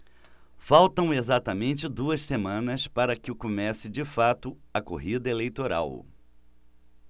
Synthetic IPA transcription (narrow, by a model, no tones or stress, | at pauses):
fawt̪ɐ̃w̃ezat̪ɐmẽnt͡ʃɪd̪uɐssemɐ̃nɐspaɾɐkɪʊkomɛsɪd͡ʒɪfat̪ʊɐko̰ɦid̪ɐelejt̪oɾa̰w